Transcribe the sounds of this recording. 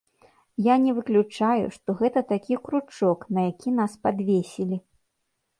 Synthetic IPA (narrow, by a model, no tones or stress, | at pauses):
janʲɛvɨklʲut͡ʂajṵʂt̪ɔɣɛt̪ɐt̪akʲikɾut͡ʂɔknɐjakʲin̪aspad̪vʲesʲilʲi